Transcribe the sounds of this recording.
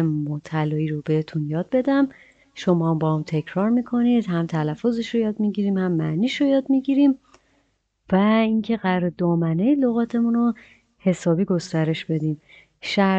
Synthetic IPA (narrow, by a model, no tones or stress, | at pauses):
emot̪ʰælɒːiːɾobe̞het̪ʰunjɒːd̪̚be̞d̪æm | ʃo̞mɒːmbɒhamt̪ʰe̞cʰɾɒːɾmiːkʰo̞nid̪̥hæmt̪ʰælæfːozeʃɾojɒːd̪̚miɟiɾiːmhæmːæ̰niːʃojɒːd̪miɟiɾim | væiŋcʰe̞ɣæɾɾed̪ɒːmænejiloɣɒːt̪ʰe̞muno | he̞sɒːbiːɡo̞st̪æɾe̞ʃb̥e̞d̪iːm | ʃæ